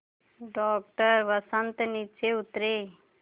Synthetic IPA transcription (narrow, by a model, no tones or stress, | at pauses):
ɖɔːk̚ʈəɾʋəsənt̪nit͡ʃeʊt̪ɾeː